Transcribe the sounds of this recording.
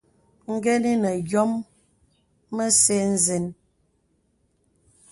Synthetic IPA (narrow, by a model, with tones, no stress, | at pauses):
ŋ̩˦ɡɛ˦ni˦nə˨ɡjɔ˦m | ə˦se˦n̩˦zi˨n